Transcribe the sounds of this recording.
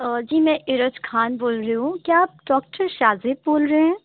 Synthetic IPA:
d͡ʒiːmɛ̃ʔɪɾəd͡ʒkʰaːnboːlɾɐeɦũkijaaːp̚ɖɔːk̚ʈʰəɾʃaːzɪboːlɾəɦeɦɛ̃ː

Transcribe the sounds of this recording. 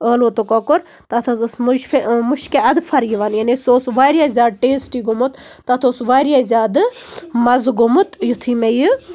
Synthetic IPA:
əːlot̪okɐkʊɾ | t̪at̪ʰɐzɐsmud͡ʒpʰemʊʃkeɐd̪fʰɐɾjiʋanjanisoːsʋaːɾjaːzʲaːd̪̚ʈeːsʈiːɡumut̪ | t̪ːat̪ʰosʋaːɾijazʲjaːd̪ɨmɐzɡumut̪jut̪ʰiːmejɨ

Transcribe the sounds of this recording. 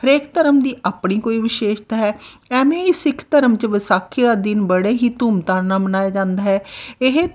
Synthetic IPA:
əɾeːkt̪əɾəmd̪iːʔaːpɳiːkoːiːʋɪʃeːʃt̪aːɦɛːɛːmẽːɪsɪkʰt̪əɾəmt͡ʃʋɪsaːkʰiːd̪aːd̪ɪnbəɽeːɦiːt̪uːmt̪aːɾnaːmənaːjaːd͡ʒãːnd̪aːɦɛːɪɦ

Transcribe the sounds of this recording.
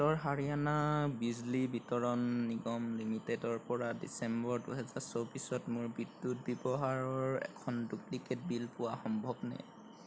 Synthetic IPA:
tɔɹɦaɹianabizlibitɔɹɔnːiɡɔmlimitedɔɹpɔɹadḭsɛmbɔɹduɦɛzaɹsɔwbisɔtmʊɹbidːut̚bɛbɔɦaɹɔɹɛ̰kʰɔndukliked̚bilpʊwaxɔmbʱɔbna̰j

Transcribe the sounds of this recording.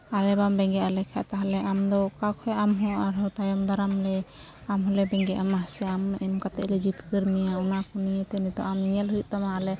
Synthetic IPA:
alɛbambɛŋɡɛʔalɛkʰa̰ʔt̪aɦalɛamd̪ɔkakʰɔɛʔamɦɔʔaɾhɔt̪ajɔmd̪aɾamlɛ | amɦɔlɛbɛŋɡɛʔamasɛamɛmkat̪ɛʔlɛd͡ʒit̪kəɾmijaɔnakɔnijɛt̪ɛnit̪ɔ̰ʔamniɲɛlɦujʔ̪̚t̪amaalɛ

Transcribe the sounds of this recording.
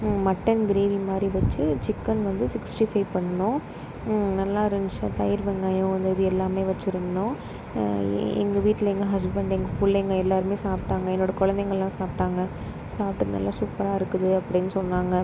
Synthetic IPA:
mɐʈːɐnɡɪɾeːʋimaːd̪ɾiʋɐt͡ʃːɯt͡ʃɪkːɐnʋɐnd̪ɯsɪksʈifɐɪʋpɐɳːɐnʊ̃ː | nɐlːaːɪɾɯɲt͡ʃɐ̃t̪ɐjɪɾbɛŋɡaːjʊ̃ʋɐnd̪ɯɪðɯɛlːaːmeːʋɐt͡ʃːɪɾɯnd̪ʊ̃ː | ɛ̰ŋɡɐʋiːʈːlɐɛŋɡɐɦɐs̬bɐɳɖɛŋɡɐfuːlːɛŋɡɐɛlːaːɾɯmeːsaːpʈaːŋɡɐɛnːoːɽɐkɔɻɐnd̪ɛŋɡɐɭlãːsaːp̚ʈaːŋɡɐ | saːp̚ʈɯnɐ̰lːaːsuːpɐɾaːɪɾɯkːɯðɯɐpːɐɽɪnːɯsɔnːaːŋɡɐ

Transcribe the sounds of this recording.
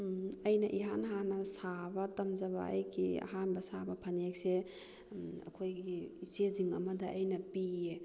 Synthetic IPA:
ɐjnɐʔiɦanɦanɐsabɐtɐmzɐβa̰ʔɐ̰jkʰiɐ̰ɦanbɐsabɐpʰɐnek̚se | ɐ̰kʰojɡiiseziŋɐmɐdɐʔɐjnɐpie

